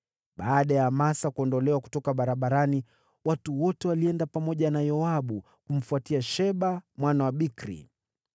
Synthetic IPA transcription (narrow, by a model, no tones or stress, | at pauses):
ɓaːɗajamasakuɔndɔlɛwaku̥tɔkaɓaɾaɓaɾani | watuwɔtɛwaliɛndapamɔʄanajɔaɓu | kum̩fuatiaʃɛɓamwanawaɓikɾḭ